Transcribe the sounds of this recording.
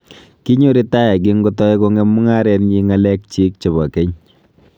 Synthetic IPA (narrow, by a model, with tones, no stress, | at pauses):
ki˦ɲu˦ɾi˦ta˦ja˨k̬i˦ŋɡo˦tɔ˦e˦ko˦ŋɛ˦mʊ˦ŋa˦ɾɛ˦nɲi˦ŋa˦lɛ˦k̚t͡ʃi˦k̚t͡ʃe˨bɔ˨ke˦ɲ